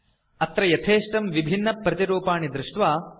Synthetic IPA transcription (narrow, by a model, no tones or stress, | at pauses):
ɐt̪ɾɐjɐt̪ʰeːʂʈɐmʋibʱinːɐpɾɐt̪iɾuːpaːɳid̪ɾɪʂʈʋaː